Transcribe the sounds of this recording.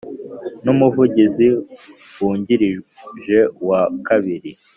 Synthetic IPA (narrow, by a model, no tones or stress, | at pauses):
numuvuɟizi | wuːɲɟiɾiʒe̞wakaβiɾi